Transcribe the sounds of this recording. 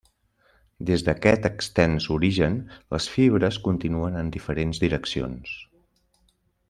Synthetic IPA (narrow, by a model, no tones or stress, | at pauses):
d̪ezðəkɛt̪əkst̪ɛnzuɾiʒənləsfiβɾəskunt̪inuənənd̪ifəɾenzðiɾəksio̰ns